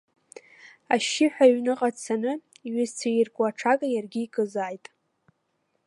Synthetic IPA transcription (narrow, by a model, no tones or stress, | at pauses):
aʃɪħʷᶣaɥnɨqʼat͡sʰanɨ | iɥɪzt͡sʰajɪrkʷʼaʈ͡ʂʰakʼajarɡʲiːkʼɨzaːjtʼ